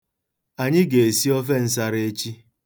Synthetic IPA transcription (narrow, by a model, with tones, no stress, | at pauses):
a˨ɲɪ˦ɡe˨e˨si˦ɔ˦fe˦n̩˦s̬a˦ɾee˦t͡ʃi˦